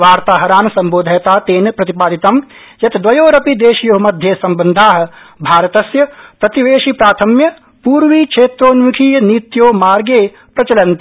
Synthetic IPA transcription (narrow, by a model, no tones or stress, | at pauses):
ʋaːɾt̪aːɦɐɾaːnsɐmboːd̪ʱɐjt̪aːt̪eːnpɾɐt̪ipaːd̪it̪ɐm | jɐt̪d̪ʋɐjoːɾɐpid̪eːʃjoɦmɐd̪ʱjesɐmbɐnd̪ʱaːɦ | bʱaːɾɐt̪ɐsjɐpɾɐt̪iʋeːʃiːpɾaːt̪ʰɐmjɐ | puːɾʋiːkʃʰeːt̪ɾoːnʋikʰiːjɐnit̪joːmaːɾɡeː | pɾɐt͡ʃɐlɐnt̪